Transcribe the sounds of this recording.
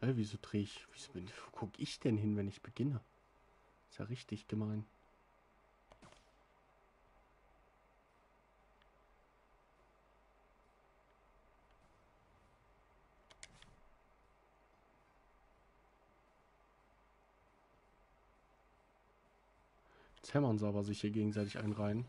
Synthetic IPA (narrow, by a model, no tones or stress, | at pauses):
hɛviːzoːdʁeːɪçv̥iz̥obɪnv̥oːkʰʊkəʔɪçd̥ɛnɦɪnvɛnɪçb̥əɡɪnə | ɪ̥stja̰ʁɪçtɪçɡ̥əmaɪn | t͡sɛmɐnziaːbɐzɪçhiːɐɡeːɡŋ̩zaɪtɪçʔa̰ɪnʁaɪən